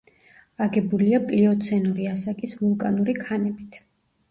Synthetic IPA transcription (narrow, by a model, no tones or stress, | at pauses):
aɡɛbuliapʼliɔt̪sʰɛnuɾiasakʼisvulˠkʼanuɾikʰanɛbit̪ʰ